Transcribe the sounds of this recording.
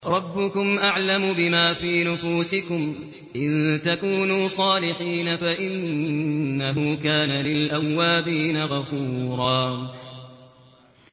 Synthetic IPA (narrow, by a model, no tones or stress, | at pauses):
ɾˤɑbːʊkʊmʔaʕlamʊbɪmaːfiːnʊfuːsɪkʊm | ʔɪnt̪akuːnuːsˤɑːlɪħiːnafaʔɪnnː | aɦuːkaːnalɪlʔawːaːbiːnaɣafuːɾˤɑː